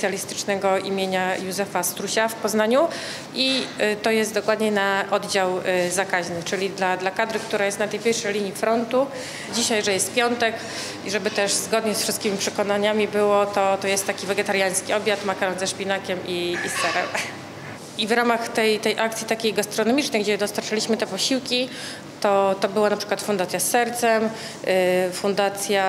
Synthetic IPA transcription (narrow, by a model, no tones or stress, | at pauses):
sjalʲist̪ɘ̥t͡ʂnɛɡɔḭmʲjeɲajuzɛfast̪ɾuɕafpɔznaɲu | it̪ɔjɛst̪̚d̪ɔkwad̪ɲɛnaʔɔd̪d͡ʑawzakaʑnɘt͡ʂɘlʲid̪lad̪lakad̪ɾɘk̚t̪uɾajɛst̪nat̪ɛjpʲɛɾʂɛjlʲiɲjifɾɔnt̪u | d͡ʑiɕajʐɛjɛst̪̚pʲjɔnt̪ɛk | iʐɛbɘt̪ɛʂzɡɔd̪ɲɛsfʂɨst̪̚kʲimʲipʂɛkɔnaɲamʲibɘwɔt̪ɔt̪ɔjɛst̪ːakʲivɛɡɛt̪aɾjaj̃skʲiɔbʲjat̪makaɾɔnzɛʂpʲinakʲɛmiːst̪ɛɾɛm | ivɾamaxt̪ɛjt̪ɛjʔak̚t̪sʲit̪akʲejɡast̪ɾɔnɔmʲit͡ʂnɛjɡd͡ʑɛd̪ɔst̪aɾt͡ʂalʲiɕmɘt̪ɛpɔɕiwkʲi | t̪ɔt̪ɔbɘwanapʂɘ̥kwat̪fund̪at̪sʲjasːɛɾt̪sɛm | fund̪at̪sʲja